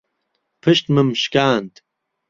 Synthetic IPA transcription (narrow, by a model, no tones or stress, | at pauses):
pʰɨʃt̪mɨmʃkaːnt̪